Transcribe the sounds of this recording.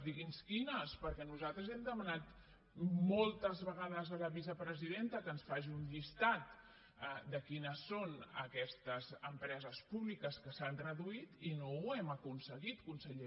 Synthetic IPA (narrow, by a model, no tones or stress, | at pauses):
d̪iɣinskinəspəɾkɛnuzalˠt̪ɾəzɛmd̪əmənat̪ | molˠt̪əzβəɣ̞aðəzələβizəpɾəziðent̪əkənsfaʒiuɲʎist̪at̪̚ | əd̪əkinəsːonə̰kɛst̪əzəmpɾɛzəspuβlikəskəsanrrəðuit̪inowɛməkunsəɣit̪kunsəʎe